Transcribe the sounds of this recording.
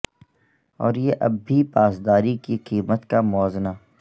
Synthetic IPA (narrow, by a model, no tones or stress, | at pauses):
ɔːɾjeʔɐbʱːipaːsd̪aːɾikiqiːmət̪kamɔːznaː